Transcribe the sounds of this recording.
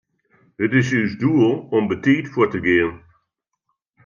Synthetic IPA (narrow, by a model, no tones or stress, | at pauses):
hətɪsyzduəlˠɔmbəteːtfuːtəɡeən